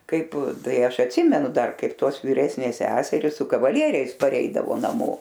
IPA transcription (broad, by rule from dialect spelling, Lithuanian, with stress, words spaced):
ˈkɐɪp ˈtɐɪ ˈɐʃ ɐtʲˈsʲɪmʲɛnʊ ˈdɐr ˈkɐɪp ˈtoːs ʋʲiːˈrʲæːsʲnʲeːs ˈsʲæːsʲɛrʲɪs sʊ kɐʋɐˈlʲiɛrʲɛɪs pɐˈrʲɛɪdɐʋoː nɐˈmoː